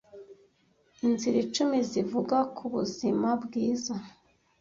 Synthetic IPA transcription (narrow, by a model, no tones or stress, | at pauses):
inziɾit͡ʃumizivuɡakʰuβuzimabɡiːza